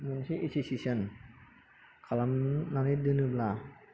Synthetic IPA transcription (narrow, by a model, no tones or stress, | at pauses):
mənsiisisisən | kʰalamnanidənəbla